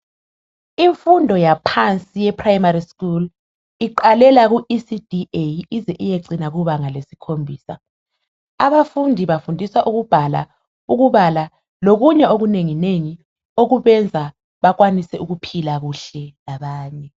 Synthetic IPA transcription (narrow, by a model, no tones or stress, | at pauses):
iɱfundʱɔjapʰant͡sʼijɛpʰrajmariskul | iǃalɛlaɣuisid̥ʱiejizɛʔijeǀinaɣuβaŋalesi̥kʰombʱiːsa | aβafundʱiβafundʱisaʔuɣub̥ʱala̰ | uɣuβala | loɣuɲɛoɣuneŋineŋi | oɣuβɛnd͡zʱa | βaɣwanisɛuɣupʰilaɣuɬɛlaβaːɲɛ